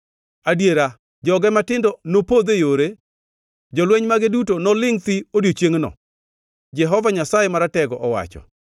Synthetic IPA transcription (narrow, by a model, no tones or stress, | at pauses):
adjeɾa | d͡ʒɔɡɛmatɪndɔnopod̪ejoɾe | d͡ʒɔlwɛɲmaɡedutonɔlɪŋt̪ɪodjot͡ʃjeŋnɔ̰ | d͡ʒɛɦɔvaɲasajɛmaɾatɛɡɔʔɔwa̰t͡ʃɔ̰